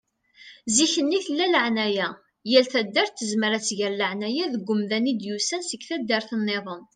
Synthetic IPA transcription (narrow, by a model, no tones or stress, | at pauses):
ziçənːiθəlːæləʕnæjæ | jælθæd̪ːæɾθːəzməɾæt͡sːʝəɾləʕnæjæðəɡʷːʊmðænid̪jusænsəɡθæd̪ːəɾθənːeðˤən